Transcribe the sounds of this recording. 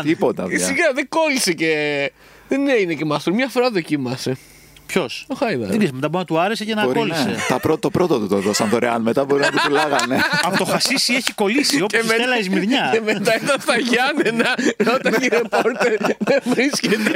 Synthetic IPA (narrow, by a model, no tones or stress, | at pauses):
t̪ipot̪ɐ̰siɣɐðeɡo̞lisece | ðeneinecemɐst̪ɾumɲɐfoɾɐðo̞cimɐse | pçosoxɐjvɐ̰iismet̪ɐbonɐt̪uɐɾesecenɐoɾoliset̪ɐpɾot̪opɾot̪ot̪ut̪oðosɐnðoɾeɐnmet̪ɐboɾinnɐt̪it̪ulɐɣɐneɐpot̪oxɐsisieçiko̞lisioemeelɐizmiðɲɐemet̪ɐet̪ɐnθɐʝɐnenɐɾot̪ɐiɾepoɾt̪eɾðevɾiscet̪e